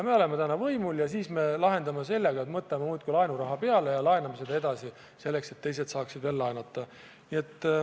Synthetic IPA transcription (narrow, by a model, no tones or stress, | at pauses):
jɑme̞ole̞met̪ænɑvɤjmuljɑsiːsme̞lɑɦe̞nd̪ɑmese̞lːeɡ̥ɑe̞t̪mɤt̪lememuːt̪̚kulɑjnuɾɑɦɑpe̞ɑlejɑlɑenɑmese̞d̪ɑe̞d̪ɑsi | se̞lːe̞kse̞t̪ːe̞jse̞d̪sɑːksid̪ve̞lːɑenɑt̪ːɑ | nie̞t̪ːˑ